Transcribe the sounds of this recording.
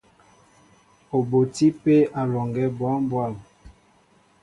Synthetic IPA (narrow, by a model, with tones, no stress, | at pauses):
o˨bo˨ti˦pe˦a˨lɔ˨ŋɡɛ˦bwa˦m˦bwa˦˨m